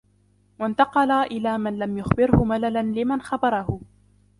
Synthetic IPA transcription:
want̪ɑqɑlaːʔɪlaːmanlamjʊxbɪɾhʊmalalanlɪmanxabɑɾˤɑɦʊ

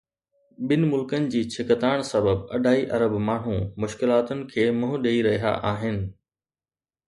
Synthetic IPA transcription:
ɓɪnɪ̆mʊlkənɪ̆d͡ʑiːt͡ɕʰɪkət̪aːɪɽ̃sɐbəbɐ̰ɗʱaːiʔɐɾəbmaːɳ̤ũmʊʃkɪlaːt̪ʊnɪ̆kʰeːmʊɦʊɗeːiɾɐɦija̰ʔaːɦɪnɪ̆

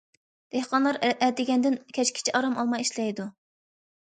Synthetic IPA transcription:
d̪̥ehqɑnlˠɑɾɛd̪ɪɡʲɛnd̪ɪnkʲʰɛt͡ʃkʲʰɪ̥t͡ʃʰɛʔɑɾɑmɑlˠmɑjiʃlɛjd̪u

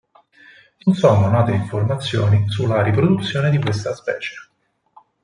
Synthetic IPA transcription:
nonsoːnonaːt̪eiɱformat̪sːjoːnisulːaɾipɾod̪ut̪sːjoːned̪ikwest̪aspɛ̰ːt͡ʃe̥

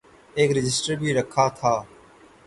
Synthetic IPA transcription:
eːkɾɪd͡ʒɪsʈəɾbʱiːɾəkʰaːt̪ʰaː

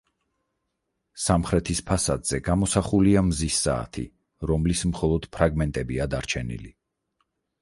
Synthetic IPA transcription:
samχɾɛt̪ʰispʰasad̪z̥ɛɡamɔsaχuliamzisːa̰ːt̪ʰḭ | ɾɔmlismχɔlˠɔd̪̥pʰɾaɡmɛnt̪ʼɛbiad̪aɾt͡ʃʰɛnḭlḭ

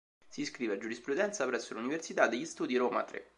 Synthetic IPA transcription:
siskɾiːvead͡ʒːuɾispɾud̪ɛnt̪sapɾɛsːoluniversit̪ad̪ːeʎːist̪uːd̪iɾoːma̰t̪ɾḛ

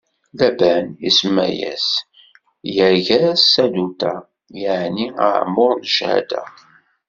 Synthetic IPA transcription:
læbænismæ̰jæ̰s | jəɾʝæsːæd̪ut̪æ | jəʕniə̰ʕmʊɾnʒhæ̰d̪æ̰

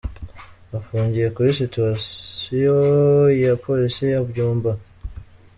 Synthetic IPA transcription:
afuːɲɟiɾekuɾisituasijojapʰolisijaβuɟuːmba

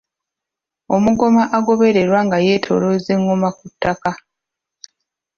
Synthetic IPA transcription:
o̞muɡo̞maʔaɡo̞βe̞ɾe̞ɾwaŋɡaje̞ːtʰo̞̰loze̞ŋːɡomakutːaka

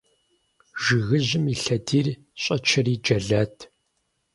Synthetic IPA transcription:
ʒɨɣɨʑɪmiːɬɐdiːr | ɕʼɐt͡ʃʰɐriːd͡ʒɐɮɐːtʰ

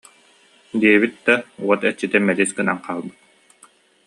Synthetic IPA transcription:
d̪iɛβit̪̚d̪̥auɔt̪ɛt͡ɕːit̪ɛmːɛliskɯna̰ŋqʰaːlˠbɯt̪̚

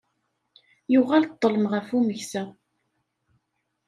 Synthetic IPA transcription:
jʊʁalt̪ˤːələmʁəfuməçsæ

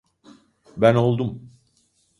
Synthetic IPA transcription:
bæno̞lˠd̪um

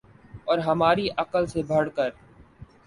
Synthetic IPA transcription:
ɔːɾɦɐmaːɾiʔɐkəlsebʱɐɽ̤kəɾ

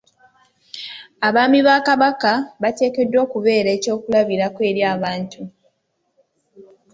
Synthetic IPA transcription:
aβaːmiβaːkaβakaβate̞ːke̞dːwo̞ːkuβe̞ːɾeːco̞ːkulaβiɾakwe̞ːɾjaːβaːntu

